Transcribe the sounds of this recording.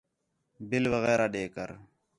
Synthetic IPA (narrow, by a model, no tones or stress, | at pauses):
bɪlʋəɣɛːɾaːɖeːkə̰ɾ